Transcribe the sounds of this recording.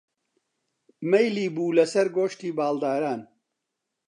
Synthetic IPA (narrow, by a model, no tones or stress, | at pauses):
mejliːbuːlɐsɐɾɡoːʃt̪iːbaːld̪aːɾaːn